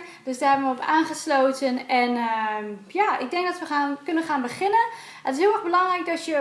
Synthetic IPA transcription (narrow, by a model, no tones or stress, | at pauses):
d̥øsdaːɦɛbənʋəɔpaːnχəsloːtənɛn | jaːɪk̚dɛŋkdɔtʋəxaːnkɵnəχaːnbəχɪnən | ətɪsɦyəɛxbəlɑŋrɛjk̚dɔtjə